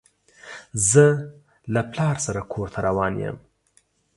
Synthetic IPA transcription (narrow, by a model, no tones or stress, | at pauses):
zɨ | lɐpʰlaːɾsɐɾɐkʰoːɾt̪ʰɐɾʔɐwaːnḭjḛm